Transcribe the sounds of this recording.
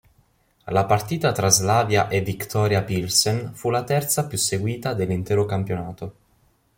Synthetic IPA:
lapart̪iːt̪at̪ɾazlaːvjaʔevikt̪ɔːɾjapilsenfulat̪ɛrt̪sapjusːeɡwiːt̪ad̪elːint̪ɛːɾokampjonaːt̪o

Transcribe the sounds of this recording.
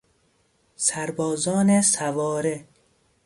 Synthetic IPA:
sæɾbɒːzɒːnesævɒːɾe

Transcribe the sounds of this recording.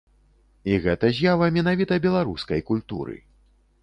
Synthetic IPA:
iɣɛt̪ɐzʲjavɐmʲɛnavʲit̪ɐbʲɛlˠaɾuskɐjkulʲt̪ṵɾɨ̰

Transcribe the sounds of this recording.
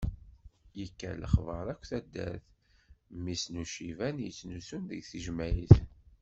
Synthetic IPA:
jəkːæ̰ləχvəɾˤækʷːθæd̪ːæ̰ɾθ | misnuʃivænjət͡sːnusunðəɡθiʒmæjiθ

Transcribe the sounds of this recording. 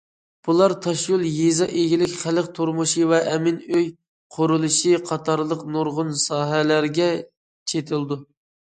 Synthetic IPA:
b̥ulˠɑɾt̪ʰɑʃjulˠjezɑʔeɡʲilɪkʲχæləqt̪ʰoɾmuʃivɛʔɛmɪnøj | qʰoɾulˠɨʃiqʰɑt̪ʰɑɾlˠəqnoɾʁʊnsɑːɦɛlæɾɡʲɛ | t͡ʃʰet̪ʰɪlˠd̪u

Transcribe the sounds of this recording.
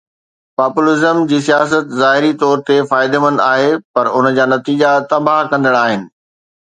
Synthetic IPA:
paːpʊlɪzəmd͡ʑiːsijaːs̬ət̪zaːɦɪɾit̪ɔːɾt̪efaːɪd̪emə̃n̆d̪aːɦepɐɾʊn̆d͡ʑaːnɐt̪iːd͡ʑat̪ɐbaːɦkɐ̃nd̪əɽaːɦɪnɪ̆

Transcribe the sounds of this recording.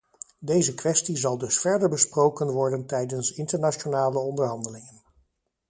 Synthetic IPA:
dejzəkʋɛstizɑlˠdɵsfɛɹdəɹbəsprowkənʋɔɹdəntɛjdənsɪntəɹnat͡ʃonaːləɔndəɹɦɑndəlɪŋən

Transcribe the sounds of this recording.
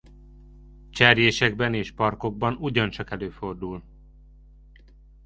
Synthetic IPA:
t͡ʃɛrjeːʃɛɡbɛneːʃpɒrko̞ɡ̚bɒnuɟɒnt͡ʃɒkɛløːfo̞rd̪ul

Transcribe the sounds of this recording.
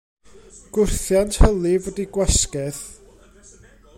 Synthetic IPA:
ɡ̥ʊrθjantʰhəlˠivɔdiɡ̥wɛskɛð

